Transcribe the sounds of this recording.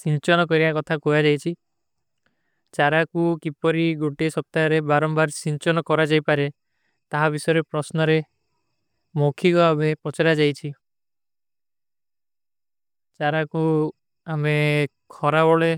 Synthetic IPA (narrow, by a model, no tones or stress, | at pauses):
sint͡ʃɔnɔkɔɾibakɔt̪ʰakojad͡ʒajt͡ʃʰi | t͡ʃaɾakukipɔɾiɡoʈiesɔp̚t̪aɾebaɾɔmbaɾsiɲt͡ʃɔnɔkɔɾad͡ʒajpaɾe | t̪aɦabisɔjɔɾepɾɔsnɔɾe | mokʰiɡɔabʱepɔt͡ʃaɾad͡ʒajt͡ʃʰi | t͡ʃaɾaku | ame | kʰɔɾabɔɭe